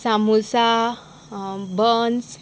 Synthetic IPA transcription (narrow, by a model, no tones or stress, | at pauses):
samusa | bəns